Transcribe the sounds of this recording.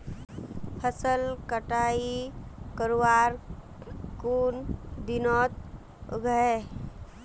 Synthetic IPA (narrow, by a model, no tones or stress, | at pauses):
həsəlkəʈaːikəɾwaːɾ | kuːnd̪ɪnɔːt̪̚ | ɡʱəe